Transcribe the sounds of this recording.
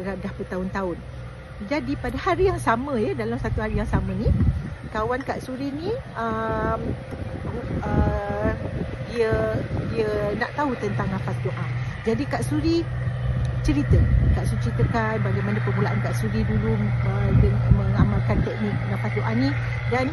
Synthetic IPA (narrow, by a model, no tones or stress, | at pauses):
əɾadahpət̪aʊnt̪aʊn | d͡ʒadipadahaɾijaŋsamə̃jədalamsat̪uɦaɾijaŋsamə̃nikawanka̰ʔsuɾinĩəm | ə | diədiənaʔt̪aut̪ənt̪aŋnafat̪uʔad͡ʒadikaʔsuɾi | t͡ʃəɾit̪əkaʔsuit͡ʃəɾit̪əkanbaɡajmanəpəmulaʔankaʔsuɾidulʊmədəŋməŋamalkant̪ɛk̚nik̚nafat̪uʔani | dan